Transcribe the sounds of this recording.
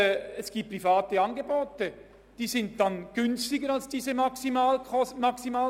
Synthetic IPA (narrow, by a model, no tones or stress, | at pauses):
ɛsɡ̥iːp̚pːrifaːtəɑnɡeboːtə | d̥iːsɪnt̚danɡ̥ʏnstɪɡəɾalsd̥iːzəmasimaːlɔmɑksimaː